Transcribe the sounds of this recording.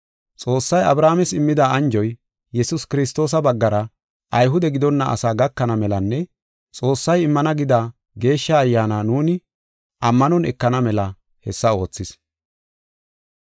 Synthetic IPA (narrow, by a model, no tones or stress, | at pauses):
t͡sʼo̞ːsːɐjɐbɾaːmɛsɪmːɪd̪aɐnd͡ʒɔj | jɛsʊskɪɾɪs̬t̪o̞ːs̬ɐbɐɡːɐɾɐ | ʔɐjɦʊd̪ɛɡɪd̪ɔnːɐʔɐ̰saːɡɐkːɐnɐmɛlɐnːɛ | t͡sʼo̞ːsːɐjɪmːɐnɐɡɪd̪aː | ɡe̞ːʃːɐːjːaːnaːnuːnɪ | ʔɐmːɐnɔnɛ̰kːɐnɐmɛlɐ | hɛsːɐo̞ːt͡sːɪs